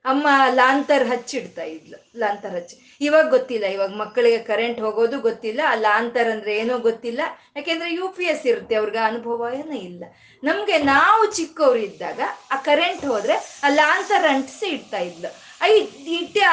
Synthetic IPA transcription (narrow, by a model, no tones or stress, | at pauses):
ɐmːɐlaːnt̪ɐɾɦɐt͡ʃːiɽt̪aːjid̪lu | laːnt̪ɐɾɦɐt͡ʃːu̥ | iʋaːɡɐɡot̪ːilːɐiʋaːɡɐmɐkːɐɭiɡe̞kɐɾe̞ɳʈɦoːɡoːd̪uɡot̪ːilːɐːlaːnt̪ɐɾɐnd̪ɐɾeeːnuːɡot̪ːilːɐjaːkeːnd̪ɐɾe̞juːpiesiɾut̪ːeɐʋɐɾiɡeɐnubʱɐʋajɐnɐilːɐ | nɐmɡe̞naːʋut͡ʃikːɐʋɾid̪ːa̰ːɡɐaːkɐɾe̞ɳʈɦoːd̪ɾe̞aːlaːnt̪ɐɾɐɳʈsiiɽt̪aːjid̪lu | ɐjiʈːe